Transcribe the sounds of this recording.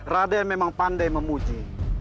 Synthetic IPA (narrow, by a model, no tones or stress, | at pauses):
radajamemaŋpandajməmud͡ʒi